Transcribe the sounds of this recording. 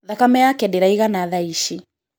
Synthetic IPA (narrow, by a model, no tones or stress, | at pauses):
ðakamɛjakɛdiɾaiɣanaðaiʃi